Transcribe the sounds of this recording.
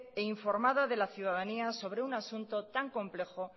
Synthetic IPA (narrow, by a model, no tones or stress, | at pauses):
eiɱfo̞ɾmaðaðe̞laθjuð̞aðaniaso̞β̞ɾe̞unasunt̪o̞t̪aŋkõ̞mple̞xo